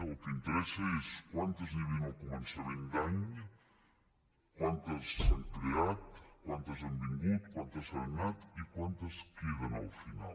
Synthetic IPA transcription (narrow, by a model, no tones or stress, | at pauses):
əlˠkəint̪əɾɛsəeskwant̪əziβinokumənsaβend̪aɲ | kwant̪əsaŋkɾeat̪kwant̪əzambiŋɡut̪̚kwant̪əsannat̪ikwant̪əskeðənə̰lˠfina̰l